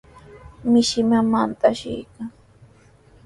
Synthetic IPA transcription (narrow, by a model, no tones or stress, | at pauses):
mɪʃɪmamant̪aʃɪ̰jkaŋ